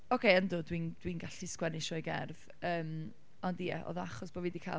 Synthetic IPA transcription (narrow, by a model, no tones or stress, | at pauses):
ɔkʰejəndʊːdwiːnd̥wiːnɡaɬiskwɛnɪʃɔjɡɛrv | əːm | ɔndijɛ̰ʔɔ̰ðɔaχɔsb̥ɔvidikʰa̰